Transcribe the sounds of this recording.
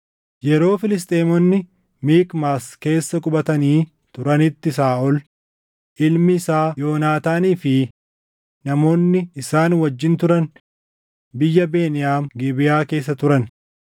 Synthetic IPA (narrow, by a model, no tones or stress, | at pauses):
jɛɾo̞ːfɪlɪs̬t̪ʼeːmɔnːɪ | miːkmaːske̞ːsːɐkʼʊbɐt̪ɐniː | t̪ʊɾɐnɪt̪ːɪs̬aːʔɔl | ʔɪlmɪːsaːjo̞ːnaːt̪aːniːfɪː | ɐmo̞ːnːɪɪsaːnwɐd͡ʒːɪnt̪ʊɾɐn | bɪjːɐbe̞ːnɪjaːmɡɪbɪjaːke̞ːs̬ːɐt̪ʊɾɐn